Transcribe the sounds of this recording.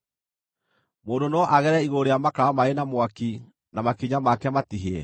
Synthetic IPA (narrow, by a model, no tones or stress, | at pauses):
moːndonɔʔaɣɛɾɛiɣoɾejamakaamaenamwaki | namakiɲamakɛmatiɦeɛ